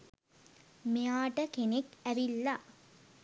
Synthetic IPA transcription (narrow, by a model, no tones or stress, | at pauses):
mejaːʈəkenekæʋilːa